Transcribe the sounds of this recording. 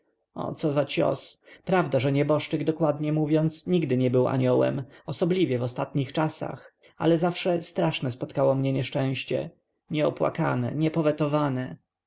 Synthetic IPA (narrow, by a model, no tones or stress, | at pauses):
ɔ̰t̪sɔzat͡ɕɔ̰spɾavd̪aʐɛɲɛbɔʂt͡ʂɘɡd̪ɔkwad̪ɲɛmuvʲjɔnt̪sɲiɡd̪ɘɲɛbɘwa̰ɲɔwɛ̰mɔsɔblʲivʲjɛvɔst̪at̪ɲixt͡ʂasa̰x | a̰lɛzafʂɛst̪ɾaʂnɛspɔt̪kawɔmɲɛɲɛʂt͡ʂɛ̃w̃ɕt͡ɕɛ̰ | ɲɛɔpwa̰ka̰nɛ̰ɲɛpɔvɛt̪ɔvanɛ